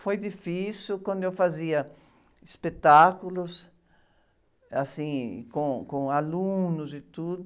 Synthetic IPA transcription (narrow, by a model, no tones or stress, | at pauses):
fojd̪ifisukwɐ̃nd̪ʊewfaziɐ | ispet̪akulʊs | asḭ̃kõkõalũnʊzɪt̪ud̪